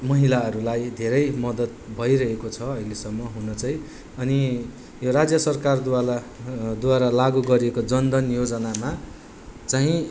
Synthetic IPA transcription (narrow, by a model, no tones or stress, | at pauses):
mʌɦilaʌɾulajd̪ʱeɾʌjmʌd̪ʌt̪̚bʱʌjɾʌɦekot͡sʰʌʌilesʌmːʌɦunʌt͡saj̃ | ʌni | joɾad͡zjʌsʌrkard̪a | d̪uwaɾalaɡuɡʌɾiekod͡zʌnd̪ʌnjod͡zʌnama | t͡saĩ